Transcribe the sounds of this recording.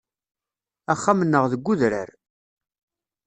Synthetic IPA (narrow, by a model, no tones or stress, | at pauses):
æχːamənːəʁðəɡʷːʊðɾə̰ɾ